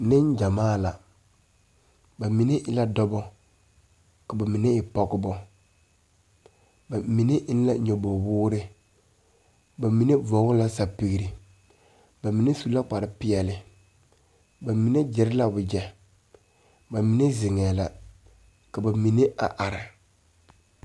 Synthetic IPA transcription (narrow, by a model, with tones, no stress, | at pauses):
nɪ˦n˦d͡ʒa˨maː˦la˨ | ba˨mi˨ne˦ʔɪ˦la˦dɔ˦bɔ˦ | ka˨ba˨mi˨ne˦ɪ˨pɔ˦ɡʊ˦bɔ˦ | ba˨mi˨ne˦ʔɪ˦n˦la˦ɲɔ˨bo˨wʊː˦ɾɪ˦ | ba˨mi˨ne˦vɔ˨˦ɡʊ˦la˦sa˨pi˨ɣɾi˨ | ba˨mi˨ne˦su˦la˦k͡pa˨ɾɪ˦pɪ˦ɛ˨lɪ˨ | ba˨mi˨ne˦d͡ʒɪ˨ɾɪ˦la˦bʊ˨d͡ʒɛ˨ | ba˨mi˨ne˦zɪ˨ŋɛː˨la˨ | ka˨ba˨mi˨ne˦ʔa̰˨ʔa˨ɾa˨